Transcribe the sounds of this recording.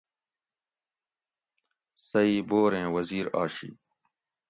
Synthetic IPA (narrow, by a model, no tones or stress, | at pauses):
sɐiːboːɾẽːwɐziːɾa̰ːɕḭː